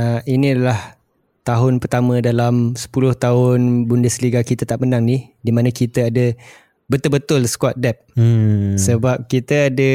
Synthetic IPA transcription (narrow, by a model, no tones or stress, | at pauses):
əinĩadalah | t̪aɦʊnpərt̪amə̃dalamsə̥pulʊht̪aɦʊnbundəsəliɡakit̪ət̪aʔ̚mənaŋnihdimãnə̃kit̪əadə | bət̪ʊlbət̪ʊlsə̥kwɔt̪̚dɛp̚ | səbap̚kit̪əadə